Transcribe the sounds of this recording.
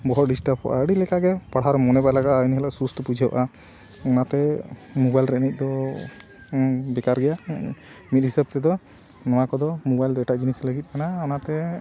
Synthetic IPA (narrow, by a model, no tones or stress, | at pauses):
bɔɦɔɾɖisʈəpʰɔ̰ʔa̰ɽilɛkaɡɛpaɽ̤aɾɔmɔnɛbalaɡaʔaniɦɛlaʔsust̪ʰɔpud͡ʒʱabaʔa | ɔnat̪ɛmubajlɾɛʔnic̪̚ˀd̪ɔ | bɛkaɾɡɛja | mit̪̚ɦisəb̚t̪ɛd̪ɔ | nɔwakɔd̪ɔmɔbajld̪ɔɛʈaʔd͡ʒinisləɡit̪̚ˀkanaɔnat̪ɛ